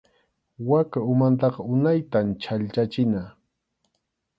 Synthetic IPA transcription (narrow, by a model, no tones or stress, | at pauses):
wakaʊmant̪̬ɑqɑʊnajt̪amt͡ʃaʎt͡ʃat͡ʃɪna